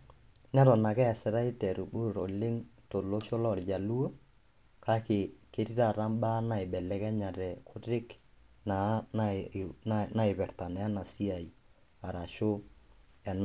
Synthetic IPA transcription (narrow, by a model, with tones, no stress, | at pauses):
nɛ˦ɾɔ˨na˨kɛ˦ɛ˨sɪ˨ɾa˦i˦tɛ˨ɾu˨bu˦˨ɾo̰˨lɪ˦ŋto˨lo˦ʃo˦lɔ˦˨ld͡ʒa˨lu˦o˦ | ka˦kɪ˨ke˦ɾi˦ɾa˦˨ɾa˦mba˦na˨ɪ˨bɛ˨lɛ˨˦kɛ˦ɲa˨ɾɛ˨kʰʊ˦ɾɪ˦k | na˨˦na˦˨ | na˨ɪ˨bɛ˨ɾta˨nɛ˨a˦na˨si˦a˨i˨ | a˨ɾa˨ʃo˦ | ɛ˨n